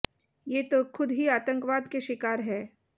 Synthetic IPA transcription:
jeːt̪okʰʊd̪ɦiaːt̪ə̃ŋkʋaːd̪keʃɪkaːɾɦɛː

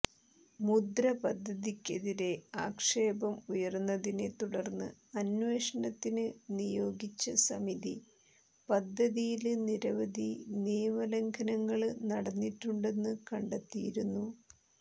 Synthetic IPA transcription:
mud̪ɾɐpɐd̪ʱːɐðikʲːe̞ðiɾe̞aːkʂe̞ːbɐmujɐrnːɐðine̞t̪uɽɐrnːɨ̰ɐnʋe̞ːʂɐɳɐt̪ːinɨnijo̞ːɡit͡ɕːɐsɐmiði | pɐd̪ʱːɐðijilniɾɐʋɐðʱiniːmɐlɐŋɡʰʱɐnɐŋːɐɭnɐɽɐnːiʈːuɳɖe̞nːɨkɐɳɖɐt̪ːijiɾunːu

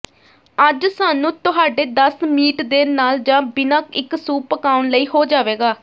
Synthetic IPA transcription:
əd͡ʒsaːnũːt̪ʊɦaːɖeːd̪əsmiːʈd̪eːnaːld͡ʒãːbɪnãːkɪksuːpəkaːʊnləiːhoːd͡ʒaːʋeːɡaː

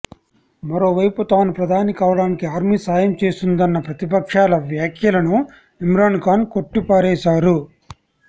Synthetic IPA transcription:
mɐɾo̞ːʋɐjput̪aːnupɾɐd̪ʱaːnikaːʋɐɽaːnikiaːɾmisaːjɐmt͡ʃe̞ːst̪und̪ɐnːɐpɾɐt̪ipɐkʂaːlɐʋjaːkʰjɐlɐnu | imɾaːnkaːnko̞ʈːipaːɾɛːʃaːɾu

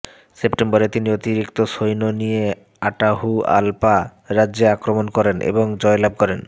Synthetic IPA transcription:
sepʈemboɾet̪iniot̪iɾikt̪oʃojnonije | aʈaɦua̰lpa | ɾadːd͡ʑeakɾomonkɔɾenʔḛboŋd͡ʑɔelab̚ʱkɔɾen

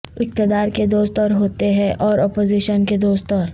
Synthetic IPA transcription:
ɪq̚t̪ɪd̪aːɾked̪oːst̪ɔːɾɦoːt̪eɦɛ̃ʔʔɔːɾɔːpoːziːʃənked̪oːst̪ɔːɾ

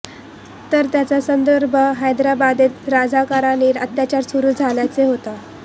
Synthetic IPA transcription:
t̪əɾt̪jat͡sasənd̪əɾbʱəɦajd̪ɾabad̪et̪ɾad͡zʱakaɾaniːɾə̰t̪jat͡ɕaɾsuɾuːd͡zʱaljat͡seɦot̪a

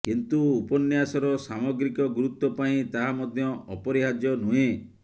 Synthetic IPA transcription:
kint̪uupɔnjasɔɾɔsamɔɡɾikɔɡuɾut̪ːɔpaĩt̪aɦamɔd̪ʱjɔʔɔpɔɾiɦad͡ʒjɔnuẽ

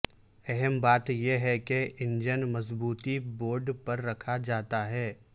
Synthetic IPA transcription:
ɛɦɛmbaːt̪jeɦɛkeʔɪ̃nd͡ʒənmɐzbuːt̪iboːɾɖpɐɾːɐkʰad͡ʒaːt̪aɦɛː

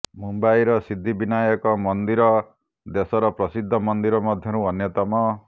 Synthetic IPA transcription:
mumbajɾɔsid̪ʱːibinajɔkɔmɔnd̪iɾɔ | d̪esɔɾɔpɾɔsid̪ʱːɔmɔnd̪iɾɔmɔd̪ʱjɔɾuɔnjɔt̪ɔmɔ

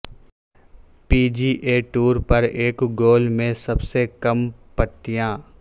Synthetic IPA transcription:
piːd͡ʒiːʔeːʈuːɾpɐɾeːkɡoːlmẽsɐbsekɐmpət̪ːijãː

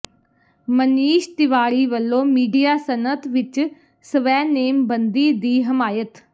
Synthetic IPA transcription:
məniːʃt̪ɪʋaːɾiːʋəlːõːmiːɖijaːsənət̪ʋɪt͡ʃ | səʋɛːneːmbənd̪iːd̪iːɦɪmaːjət̪

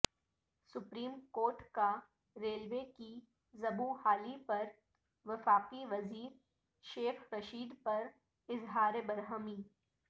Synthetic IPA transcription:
sʊpɾiːmkoːɾʈka | ɾeːlʋeki | zɐbuhaːlipɐɾ | ʋɐfaːqiʋɐziːɾ | ʃeːxʰɾɐʃiːd̪pɐɾ | ɪzɦaːɾebɐɾɦəmiː

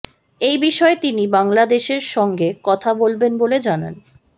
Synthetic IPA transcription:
ejbiʃɔet̪inibaŋlad̪eʃeɾʃɔŋɡekɔt̪ʰabolbenboled͡ʑana̰n

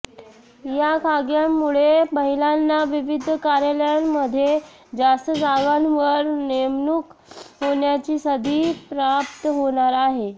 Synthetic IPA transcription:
jakʰaɡjamːuɭeməɦilanːaʋiʋid̪ʱkaɾjaljanməd̪ʱːje | d͡ʑast̪əd͡zaɡanʋəɾnemnukɦoɳjat͡ɕiːsəd̪ʱiːpɾap̚t̪əɦoɽ̃aɾaɦe

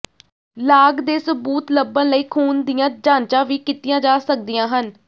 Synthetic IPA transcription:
laːɡd̪eːsəbuːt̪ləbːə̃nləiːkʰuːnd̪ijãːd͡ʒãːnt͡ʃãːʋiːkɪt̪ɪjãːd͡ʒaːsək̚d̪ijãːɦən

